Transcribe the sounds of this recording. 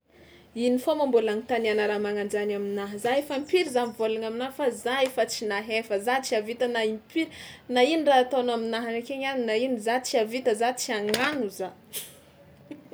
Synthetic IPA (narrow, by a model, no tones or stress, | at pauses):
inifomambulanit̪anianaɾamaŋand͡ʒanaminaɦəzaefampiɾizamivolaŋaminaɦfazaefat͡sinaɦefəzat͡siavit̪ənaimpiɾinainiraɦat̪onaminaɦanekeɲaninainizat͡siavit̪əzat͡siaŋanuza